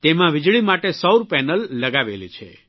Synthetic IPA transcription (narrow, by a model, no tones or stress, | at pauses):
t̪emãʋɪd͡ʒɭimaʈesəwɾpɛnəlːəɡaʋelḭt͡ʃʰḛ